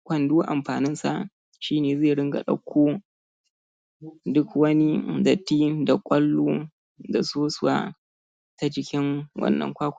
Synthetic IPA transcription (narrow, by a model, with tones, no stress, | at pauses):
kʷɐ˨nduː˦ʔa˨mɸaː˨nɪ˦nsa̰˨ʔ | ʃiː˦neː˨zeː˦˨ɽɪ˦ŋɡa̰˨ɗɐ̰˦kʷʰːoː˦ | dʊ˦kwɐ˦ni˦da˨tiː˦da˨kʷʼɐ˦lːuː˦ | da˨soː˦sʊ˨wa̰˦ | ta˦d͡ʒɪ˦kʲɪ˦ŋwʔɐ̰˦nːɐ̰˨ŋkʷaː˦kʷ